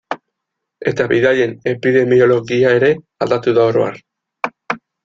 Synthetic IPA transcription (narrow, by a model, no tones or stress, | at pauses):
e̞t̪aβiðaʎe̞ne̞piðe̞mio̞lo̞ɣiae̞ɾe̞ | ald̪at̪uðao̞ɾoa̰r